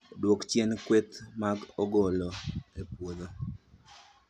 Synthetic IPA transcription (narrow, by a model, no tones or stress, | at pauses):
odwokt͡ʃjɛnkwet̪maɡɔɡɔlɔepwod̪o